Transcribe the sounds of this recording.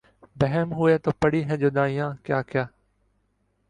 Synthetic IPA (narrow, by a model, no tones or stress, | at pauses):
bəɦɛːmɦʊeːt̪oːpəɽiːɦɛ̃ːd͡ʒoːɗ̪ãːɪ̃jãːkjaːkɪjaː